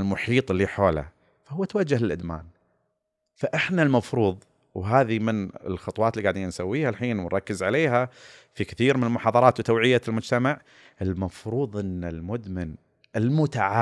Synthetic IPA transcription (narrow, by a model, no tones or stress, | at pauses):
lmʊħiːt̪ˤɪlːiħoːla̰ | fahʊwːat̪awad͡ʒːahlɪlʔɪd̪ma̰ːn | faʔɪħnalmɑfɾuːðˤ | wɦaːðimɪnɪ̰lxɑt̪ˤwɑːlːiɡaʕd̪iːnnsa̰wːiːhalħiːnwɪnɾˤɑkːɪzʕaleːɦafikɪθiːɾmɪnɪlmʊħɑːðˤɑɾˤɑːt̪wt̪awʕɪjːalmʊd͡ʒt̪amaʕ | ɪlmɑfɾuːðˤʔɪnːalmʊd̪mɪn | ʔɪlmʊt̪aʕa